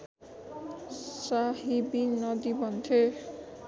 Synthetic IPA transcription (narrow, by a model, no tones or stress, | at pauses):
saɦibinɔd̪ibɔnd̪ʰʱe